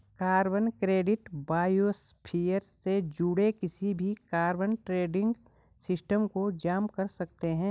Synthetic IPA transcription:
kaːɾbənkɾeːɖɪʈbaːjoːspʰiːjəɾsed͡ʒuːɽekɪsibʱikaːɾbənʈɾeːɖɪ̃ŋɡ | sɪsʈəmkod͡ʒaːmkɐɾsɐk̚t̪eɦɛ̃ː

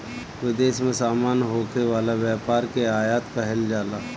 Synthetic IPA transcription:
ʋɪd̪eːʃmẽsaːmaːnɦoːkʰeʋaːlaʋjaːpaːɾkeaːjaːt̪kɐɦɪld͡ʒaːlaː

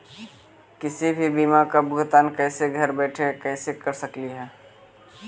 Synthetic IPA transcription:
kɪsibʱibiːmakabʊɡt̪aːnkɛːseɡʱɐɾbɛːʈʰekɛːsekɐɾsɐkliɦɛː

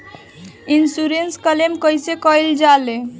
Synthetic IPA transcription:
insuɾenskəlemkəjsekəjld͡ʒale

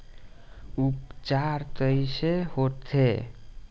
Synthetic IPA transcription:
upt͡ʃaɾt̪əisehot̪ʰe

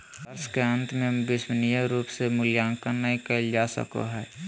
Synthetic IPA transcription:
askeə̃nt̪ʰmẽbɪsmənijəɾuːpsemʊljaːŋkanəɦĩkəɪld͡ʒaːsə̰ko̰ɦɛː

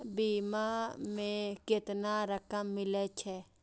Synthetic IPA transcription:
biːmamẽket̪naɾəkəmːɪlet͡ʃʰɛ

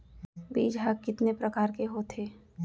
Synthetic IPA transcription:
bḭːd͡ʒɦakːɪt̪nepɾəkaːɾkeɦot̪ʰeː

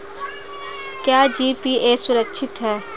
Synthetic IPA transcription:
kjaːd͡ʒiːpiːeːsʊɾəkʃʰɪt̪ɦɛː

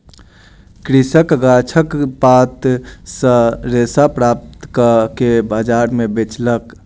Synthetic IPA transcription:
kɾisəkɡat͡ʃʰəkpat̪sə̃ɾesapɾap̚t̪kkebad͡ʒaɾmebet͡ʃlək

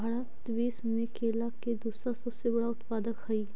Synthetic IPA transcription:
bʱaɽat̪beːsmẽkeːlaked̪uːsãsɐbsebɐɽaʊt̪paːd̪əkhɐiː

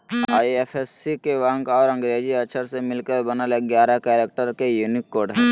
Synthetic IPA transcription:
aːiefʰesːikeʋãŋkɔːɾə̃ŋɡɾeːd͡ʒiɐʃʰəɾsemɪlkəɾbənaleɡjaːɾakɛːɾeːk̚ʈəɾkejunɪkːoːɾɖɦ

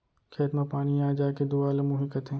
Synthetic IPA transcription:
kʰeːt̪mãpaːñĩaːd͡ʒaːked̪uaːlemʊɦiːkət̪ɦɛ̃ː

